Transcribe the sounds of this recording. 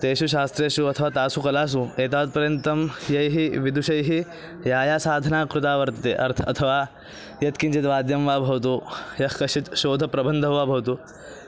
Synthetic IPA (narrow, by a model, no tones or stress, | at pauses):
t̪eːʃuʃaːst̪ɾeːʃuɐt̪ʰɐʋaːt̪aːsukɐlaːs̬ueːt̪aːd̪̚pɐɾjɐnt̪ɐmjɐjɦiʋid̪ʱuʃɐjɦi | jaːjaːsaːd̪ʱɐnaːkɾut̪aːʋɐɾt̪ɐt̪ḛːʔɐ̰ɾt̪ʰɐt̪ʰɐʋaː | jɐt̪kiɲt͡ʃit̪ʋaːd̪jɐmʋaːbʱɐʋɐt̪̬ujɐhkɐʃit̪ʃoːd̪ʱɐpɾɐbɐnd̪ʱɐʋʋaːbʱɐʋɐt̪u